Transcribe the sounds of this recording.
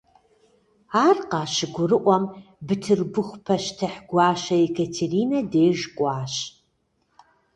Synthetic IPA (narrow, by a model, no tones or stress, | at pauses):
aːrqɑːʃɪɡʷʊrɨʔʷɔmbɨtʰɨrbɨxʷpʰɐʃtʰɐħɡʷɑːʃɐekʰɐtʰeriːnɐdeːʒkʷʼɑːɕ